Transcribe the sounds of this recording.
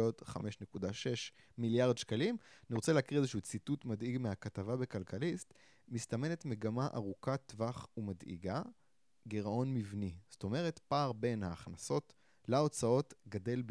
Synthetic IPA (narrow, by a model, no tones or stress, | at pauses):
o̞tχa̰me̞ʃne̞kudaʃe̞ʃ | miljaʁd̪ʃkalimniʁot͡seleakiʁezeʃuːt͡situtmadiɡmehakatavabe̞kalkalist̪ | mist̪ame̞netme̞ɡamaʔa̰ʁukatvaχumadḭɡa | ɡeʁo̞nmivnizto̞me̞ʁe̞tpaːʁbe̞nhaːχnaso̞t | lao̞t͡sao̞tɡade̞lb